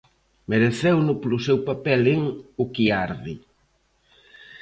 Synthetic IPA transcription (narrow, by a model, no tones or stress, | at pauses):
meɾeθewnʊplʊsewpapɛlɪŋʊkiaɾði